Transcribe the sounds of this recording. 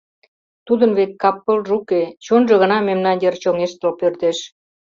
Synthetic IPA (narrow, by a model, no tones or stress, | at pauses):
t̪ud̪ə̆nβet̪̚kɑpːə̆lʒuket͡ɕonʒɤ̆ɣə̆nɑmemnɑnjert͡ɕoŋeʃt̪əlopørt̪eʃ